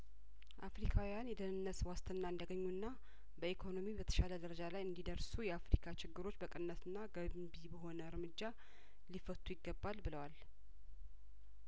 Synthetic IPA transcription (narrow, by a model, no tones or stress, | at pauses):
ʔafɾikʰawijanjɛd̪ənɨnːəswast̪ʰɨnːaɨnd̪əɡəɲːunːa | bəikʰo̞no̞mibət̪ʰə̥ʃaləd̪əɾəd͡ʒalajɨnd̪id̪əɾsujɛafɾikʰat͡ʃɪɡːɨɾo̞t͡ʃːbəkʼɨnːət̪ɨnːaɡəbibəɦo̞nəɨɾmɨd͡ʒːa | lifət̪ʰːujɪɡːəbːalbɨləwal